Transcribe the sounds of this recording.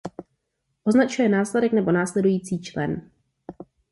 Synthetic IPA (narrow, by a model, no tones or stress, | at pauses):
ʔo̞znat͡ʃujɛnaːslɛdɛknɛbo̞naːslɛdujiːt͡siːt͡ʃlɛ̰n